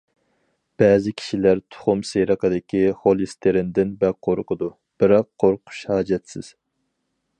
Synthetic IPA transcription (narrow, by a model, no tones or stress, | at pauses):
b̥ɛːzɪkʲʰi̥ʃilæɾt̪ʰʊ̥χʊmseɾəqʰəd̪ɪkʲʰiχolˠist̪ʰeɾɪnd̪ɪnbɛqʰoɾqʰʊd̪u | b̥ɪɾɑqʰːoɾqʰʊ̥ʃhɑːd͡ʒɛt̪sɪz̥